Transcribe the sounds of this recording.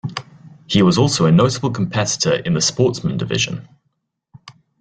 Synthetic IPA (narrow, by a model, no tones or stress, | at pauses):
hiwɒzɔˑlˠsəʊənəʊtəbəlˠkʰə̃mpʰɛtɪ̥tʰəɹɪ̰̃nðəspɔˑtsmə̃ndɪvɪ̰ʒə̰̃n